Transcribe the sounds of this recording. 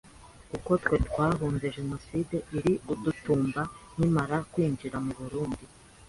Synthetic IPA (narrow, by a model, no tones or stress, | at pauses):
kuko̞twe̞twaːɦuːnze̞ʒe̞no̞side̞iɾiʔudutuːmban̥imaɾakwiːnd͡ʒiɾamuβuɾuːndi